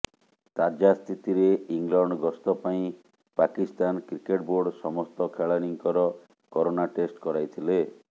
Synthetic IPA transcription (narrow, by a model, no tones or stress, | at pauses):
t̪ad͡ʒast̪ʰit̪iɾeiŋlɔɳɖɡɔst̪ɔpaĩ | pakist̪ankɾikeʈboɾɖsɔmɔst̪ɔkʰeɭaniŋkɔɾɔ | kɔɾonaʈesʈkɔɾajt̪ʰile